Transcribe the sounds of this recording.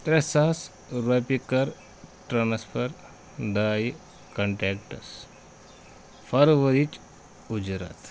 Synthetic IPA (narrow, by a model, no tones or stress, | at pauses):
t̪ɾesas | ɾopikəɾ | ʈɾanɐspʰəɾ | d̪aj | kəɳʈɛk̚ʈə̰s | fʰəɾʋəɾit͡ʃ | ud͡ʒɾa̰t̪